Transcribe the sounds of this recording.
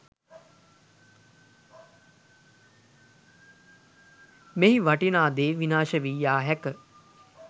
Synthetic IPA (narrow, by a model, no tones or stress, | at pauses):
meɦiʋaʈinaːd̪eːʋinaːʃəʋiːjaːɦɛkə